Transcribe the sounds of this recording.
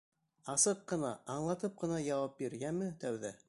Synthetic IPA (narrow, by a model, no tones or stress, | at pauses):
ɑsɤqːɤ̆nɑʔːɴlˠɑt̪ɤp̚qɤ̆nɑjɑwɑp̚biɾjæmɘt̪æwðæ